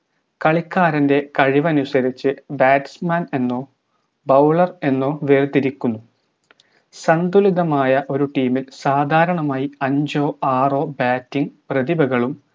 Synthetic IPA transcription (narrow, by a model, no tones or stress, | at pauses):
kɐɭikːaːɾɐnde̞kɐɻiʋɐnusɐɾit͡ɕːɨbaːtsmane̞nːo̞ː | bɐwɭɐre̞nːo̞ːʋeːrd̪iɾikʲːunːu | sɐnd̪uliðɐmaːjɐʔo̞ɾuʈiːmilsaːd̪ʱaːɾɐɳɐmaːjiɐɲd͡ʑo̞ːʔaːro̞ːbaːtːiŋprɐðibɐɣɐɭum